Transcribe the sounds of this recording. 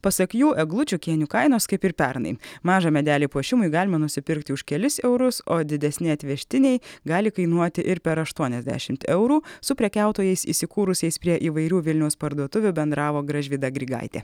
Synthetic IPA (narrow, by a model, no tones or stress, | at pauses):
pɐsɐkjuːʔɛɡlˠʊt͡ʃʲʊkʲiɛnʲuːkɐɪnoːskɐɪpɪɾpʲɛɾnɐ̰ɪmɑːʒɑːmʲɛd̪ʲæːlʲiːpuɔʃʲɪmʊjɡɑːlʲɪmɐnʊsʲɪpʲɪɾkt̪ʲɪʊʃkʲɛlʲɪsɛʊɾʊsoːd̪ʲɪd̪ʲɛsʲnʲɛɪɐt̪ʲʋʲɛʃʲt̪ʲɪnʲɛɪɡɑːlʲɪkɐɪnuɔt̪ʲɪʔɪɾpʲɛɾɐʃt̪uɔnʲɛzʲd̪ʲæ̰ːʃʲɪmt̪ɛʊɾuːsʊpʲɾʲɛkʲæˑʊt̪oːjɛɪsḭːsʲɪkuːɾʊsʲɛɪspʲɾʲiɛʔiːʋɐɪɾʲuːʋʲɪlʲnʲɛʊspɐɾd̪uɔt̪ʊʋʲʊbʲɛnd̪ɾɑːʋoːɡɾɐʒʲʋʲid̪ɐɡɾʲiɡɑ̰ɪt̪ʲḛː